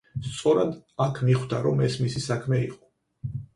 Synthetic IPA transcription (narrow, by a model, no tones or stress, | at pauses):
st̪sʼɔɾad̪akʰmiχd̪aɾɔmɛsmisisakʰmɛiqʼɔ̥